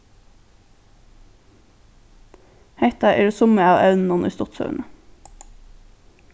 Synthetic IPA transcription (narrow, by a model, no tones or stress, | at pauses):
heɪt̪ɑʔeːɾoːsʊməɑːʋœ̰ʉnn̩ɔnʔḭːst̪ɔt̪sœ̰ʉɳə